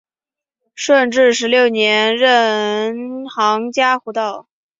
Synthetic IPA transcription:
ʂwə˥˧nʈ͡ʂɻ̩˥˩ʂ̬ɻ̩˧˥ljo˥˩ʊnjɛ˧˥nɻə˥˩nxɑ˧˥ŋt͡ɕja˥xu˧˥t̪ɑ˥˩ʊ

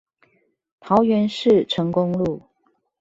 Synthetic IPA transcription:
t̪ʰɑ˨˧˦ʊɥɛ˧˥nʂɻ̩˥˨ʈ͡ʂʰɤ˧˥ŋkʊ˦˥ŋlu˥˩

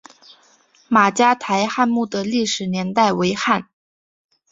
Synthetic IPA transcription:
ma˨˩t͡ɕja˥t̪ʰa˧˥ɪxa˥˧nmu˥˩d̪ə˩li˥˩ʂɻ̩˨˩njɛ˧˥nt̪a˥˩ɪwe˧˥ɪxa˥˩n

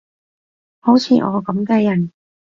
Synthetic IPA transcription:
ho˨˥wt͡sʰḭː˧˥ʔɔː˨˧kɐ˨˥mkɛː˧jɐ˨˩n

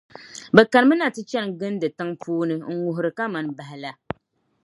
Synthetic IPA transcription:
bɛ˨ka˨n˦mɨ˦na˨tɨ˦t͡ʃɛ˦nɡɨ˦n˦dɨ˨tɨ˦ŋpuː˦nɨ˦ŋ̩˦ŋʊ˨ɦʊ˨ɾɨ˨ka˦ma˨nba˨ɦɪ˨la˦

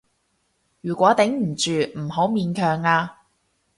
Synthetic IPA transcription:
jyː˨˩kʷɔː˨˥t̪ɪ˨˥ŋm̩˨˩t͡ʃyː˨m̩˨˩ho˨˥wmiː˨˧nkʰœː˨ŋaː˧

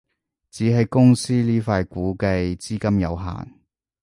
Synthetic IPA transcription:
t͡siː˨˥ɦɐ˨˧jkʊ˥ŋsiː˥liː˥faː˧jkuː˨˥kɐ˧jt͡siː˥kɐ˥mjɐ˨˧wɦa̰ː˨˩n

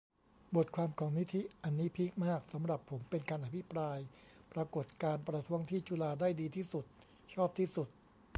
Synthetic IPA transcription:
bo˨˩t̪̚kʰwaː˧mkʰɔː˩˦ŋni˦˥t̪ʰi˦˥ʔa˧nːiː˦˥pʰiː˦˥k̚maː˥˩k̚sa˩˦mɾa˨˩pʰːo˩˦mpe˧nkaː˧nʔa˧˩pʰi˦˥pɾaː˧jpɾa˧ko˨˩t̪̚kaː˧npɾa˧t̪ʰu˦˥əŋt̪ʰiː˥˩t͡ɕuː˧˩laː˧daː˥˩jdiː˧t̪ʰiː˥˩su˨˩t̪̚ | t͡ɕʰɔː˥˩p̚t̪ʰiː˥˩su˨˩t̪̚

